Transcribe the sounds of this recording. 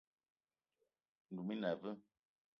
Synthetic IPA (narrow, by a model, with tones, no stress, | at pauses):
n̩˨du˨mi˦nɛ˨və˦